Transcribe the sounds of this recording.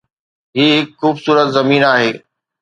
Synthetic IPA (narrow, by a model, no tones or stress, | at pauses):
ɦiːɦɪkxuːbsuːɾət̪zɐmiːnaːɦeː